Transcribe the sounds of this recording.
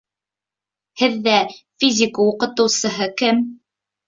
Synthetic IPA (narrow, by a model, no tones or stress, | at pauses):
hɘðːæfʲizʲikawuqɤ̆t̪ɤ̆wsɤ̆ɦɤkɘm